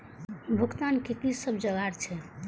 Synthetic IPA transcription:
bʱukt̪ankit̪lisəbd͡ʒəɡaɾt͡ʃʰɛ

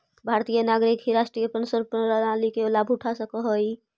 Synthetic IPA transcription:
bʱaɾt̪ijənaɡɾikɦiɾaʃʈɾijəpənsəɾpəɾaalikeolabʱuʈʰasəkəɦəj

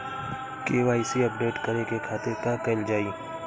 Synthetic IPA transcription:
keːʋaːisiəp̚ɖeːʈkəɾekekʰaːt̪eɾkãkəld͡ʒaːiː

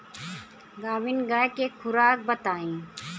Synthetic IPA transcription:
ɡaːʋinɡaːkexʰʊɾaːk̚bɐt̪aːĩː

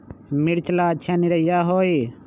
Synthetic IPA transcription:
miɽt͡ʃlaːt͡ʃʰaːniɾɐjaːɦoːi

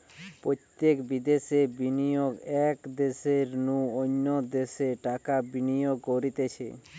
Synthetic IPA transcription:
pɾot̪jekbid̪esebinijoɡɛkd̪eseɾnũonːod̪eseʈakabinijoɡkoɾit̪et͡ɕʰḛ

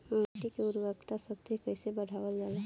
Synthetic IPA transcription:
aʈikeʊɾʋəkt̪asəb̚t̪ikəɪsebəɽ̤ʱaʋəld͡ʒala

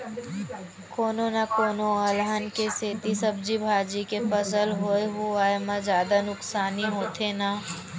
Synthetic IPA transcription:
koːnonakoːnoəlɦənkeseːt̪isəb̚d͡ʒibʱaːd͡ʒikepɐsəlɦoeɦuaːemə̃zjaːd̪anʊksaːniɦoːt̪ʰena

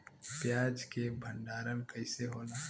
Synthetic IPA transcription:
pjaːd͡ʒkebʱə̃ɳɖaːɾənkəɦɪseɦoːnaː

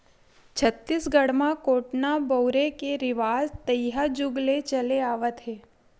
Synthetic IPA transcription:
t͡ʃʰət̪ːisɡəɽmãkoʈnabəwɾekeɾɪʋazt̪əjɦad͡ʒʊɡlet͡ʃəleaʋət̪ɦe

